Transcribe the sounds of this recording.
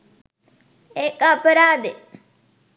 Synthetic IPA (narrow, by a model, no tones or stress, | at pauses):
ekapəɾaːd̪e